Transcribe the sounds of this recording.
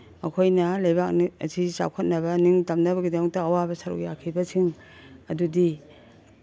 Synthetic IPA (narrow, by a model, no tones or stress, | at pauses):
ɐkʰojnɐlɐjbak̚niɐ̰sit͡ʃa̰wkʰɐt̚nɐbɐniŋtɐmnɐbɐɡidɐmɐk̚tɐːwabɐsɐɾṵk̚jakʰibɐsʰiŋ | ɐdudi